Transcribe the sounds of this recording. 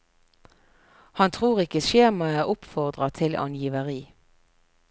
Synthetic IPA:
hɑnt̪ʰʁuːʁɪkəʃeːmɑæːʁʊpfɔʁd̪ʁɑt̪ʰɪlʔɑ̰njiːʋəʁiː

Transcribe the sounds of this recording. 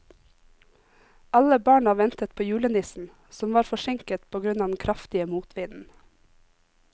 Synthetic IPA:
ɑləbɑːɳɑʋɛnt̪ət̪̚pʰoːjʉːlənd̪ɪsn̩ | sɔmʋɑːɾfɔʃɛŋkət̪pʰoːɡɾʉnɑːd̪n̩kʰɾʔɑft̪ɪəmuːt̪ʰʋɪd̪n̩

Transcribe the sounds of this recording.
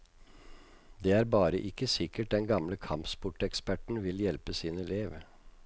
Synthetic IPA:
d̪eːæːɾbɑːɾəʔɪkːəsɪkəʈ̚d̪ɛnɡɑmləkʰɑmpspʊʈɛkspæʈɳ̩ʋɪljɛlpəsiːnəleːʋ

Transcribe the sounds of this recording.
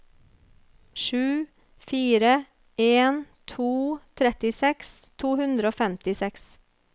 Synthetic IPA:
ʃʉː | fiːɾə | ʔeːnt̪ʰuːt̪ʰɾɛt̪ɪsɛkst̪ʰuːhʉnd̪ɾoːfɛmt̪ɪsɛks

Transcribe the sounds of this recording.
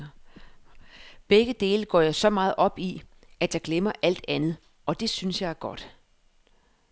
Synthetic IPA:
b̥eɡ̥əd̥e̝ːləɡ̥ɒ̰ːjɑ̈ɪsɒ̽mɑ̈ːð̩ˠʔɒ̽b̥i | æd̥jɑ̈ɪɡ̥lemɐʔæl̰d̥ænð̞̩ˠ | ɒ̽d̥e̝synsjɑ̈ɪæɐɡ̥ɒ̽d̥

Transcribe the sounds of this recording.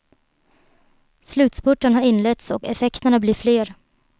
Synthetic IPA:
slʉ̟ːt̪spʊʈːənɦaɾɪnlɛt̪sɔkɛ̰fɛkt̪əɳabliːfleːɾ

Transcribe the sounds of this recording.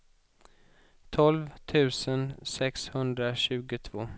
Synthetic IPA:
t̪ʰɔlvt̪ʰʉ̟ːsənsɛkshɵnd̪ɾaɕʉ̟ːɡʊt̪ʰv̥oː

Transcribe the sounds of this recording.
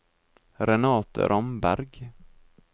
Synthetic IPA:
ɾɛnɑːt̪ɾʔɔmbæ̰ɾɡ

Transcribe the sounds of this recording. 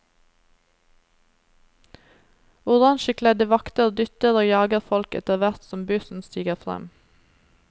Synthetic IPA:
ʊʁɑŋʃəkʰlɛd̪əʋɑkt̪əʁd̪ʏt̪əʁoːjɑːɡəʁfɔlkɛ̰t̪əʁʋæʁt̪sɔmbʉsn̩st̪iːɡəʁfʁɛ̰m

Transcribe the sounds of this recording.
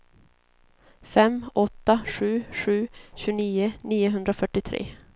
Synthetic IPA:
fɛmːɔt̪ːaɧʉ̟ːɧʉ̟ːɕʉːniːʊniːʊɦɵnd̪ɾafœʈːɪt̪ʰɾḛː

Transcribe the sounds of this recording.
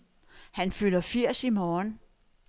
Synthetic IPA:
hænfylɐfiɐ̰simɒːn

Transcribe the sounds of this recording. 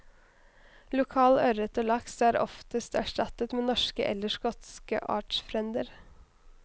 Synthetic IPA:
lʊkʰɑːlœɾət̪oːlɑksæːɾɔ̰ft̪əst̪æʂʈɑt̪ət̪meːnɔʃkə̰ʔɛ̰lːəʃkɔt̪skə̰ʔɑ̰ːʈʃfɾɛnd̪əɾ

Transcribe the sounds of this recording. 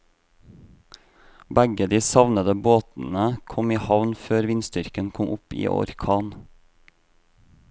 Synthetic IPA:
bæɡəd̪iːsɑʋnəd̪əboːt̪n̩əkʰɔmiːhɑʋnføːɾʋɪnst̪ʏɾkənkʰɔmʔʊpḭːʔɔ̰ɾkʰɑːn

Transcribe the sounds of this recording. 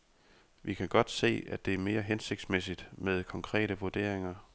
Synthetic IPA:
ʋikʰæɡ̥ɒ̽d̥se̝̰ːæd̥e̝æɐme̝ːɐɦense̝ɡ̥̚d̥smes̬id̥með̞ˠkʰɒ̽ŋkʰʁɛ̰ːɾəʋuɐd̥e̝̰ɐ̰e̝ŋɐ

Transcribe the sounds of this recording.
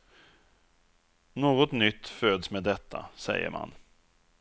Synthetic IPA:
noːɡɔt̪nʏt̪ːføːd̪smeːd̪ɛt̪ʰːasɛjːə̰ɾmʔa̰n

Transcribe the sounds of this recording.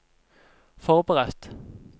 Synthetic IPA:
fɔʁbəʁɛt̪

